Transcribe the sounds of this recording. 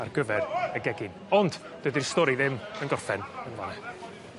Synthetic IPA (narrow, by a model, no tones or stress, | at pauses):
arɡ̥əvɛrəɡɛɡɪn | ɔnd̥ | d̥əɨdirstɔɾiðɪmənɡɔrfɛnənvanɛ